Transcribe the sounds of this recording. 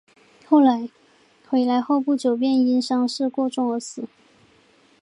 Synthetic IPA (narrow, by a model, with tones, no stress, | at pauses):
xo˥˩ʊla˧˥ɪ | xwe˧˥ɪla˧˥ɪxo˥˧ʊpu˥˩t͡ɕjo˨˩ʊp̬jɛ˥˩ni˥nʂɑ˥ŋʂɻ̩˥˧kwɔ˥˧ʈ͡ʂʊ˥˩ŋə˧˥sɹ̩˨˦